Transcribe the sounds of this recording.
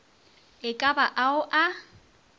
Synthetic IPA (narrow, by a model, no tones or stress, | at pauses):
ɪkʼabaʔaʊʔa